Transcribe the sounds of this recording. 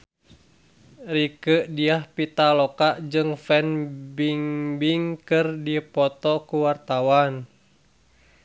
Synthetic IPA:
rikəʔdiahpit̪alɔkaʔd͡ʒɨŋfɛnbiŋbiŋkɨrdipɔt̪ɔkuwart̪awan

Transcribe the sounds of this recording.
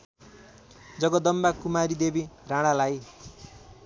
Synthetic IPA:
d͡zʌɡʌd̪ʌmbakumaɾid̪ebiraɽ̃alaj

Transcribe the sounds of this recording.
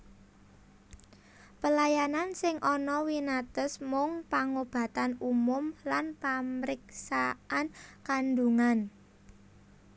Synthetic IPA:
pəlajanansɪŋʔɔnɔwinat̪əsmʊŋpaŋob̥ä̤t̪anumʊmlanpamɾɪksaankanduŋan

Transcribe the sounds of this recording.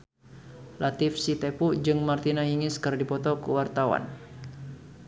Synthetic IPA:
lat̪ɪfsit̪epud͡ʒɨŋmart̪inaɦiŋɪskərdipɔt̪ɔkə̰wart̪awa̰n

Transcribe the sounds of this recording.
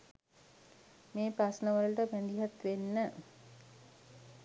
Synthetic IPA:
meːpɾasnəʋəlʈəpænd̪iɦat̪ʋenːə

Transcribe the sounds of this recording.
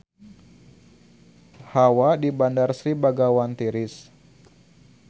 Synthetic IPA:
hawadibandarsɾibaɡawant̪iɾɪs

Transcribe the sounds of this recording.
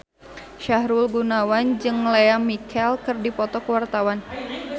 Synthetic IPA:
ʃaɦɾulɡunawand͡ʒɨŋleamikʰɛlkɨrdipɔt̪ɔkəwart̪awan

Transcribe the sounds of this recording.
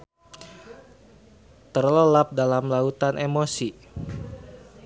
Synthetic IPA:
t̪ərləlap̚dalamlaut̪anʔemosi

